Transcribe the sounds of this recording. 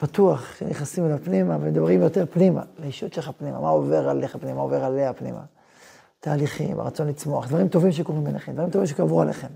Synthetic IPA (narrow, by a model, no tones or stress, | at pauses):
pat̪uaχʃeneχnasimelapnimavemed̪abʁimjo̞t̪e̞ʁpnima̰leiʃut̪ʃeχapnima̰maoveʁaleχapnimaaoveʁaleapnḭma̰ | t̪aːliχḭma̰ʁat͡so̞nlit͡smo̞aχd̪vaʁimt̪o̞vimʃ̬eko̞ʁimbeneχemd̪vaʁimtovimʃekavʁualḛχe̞m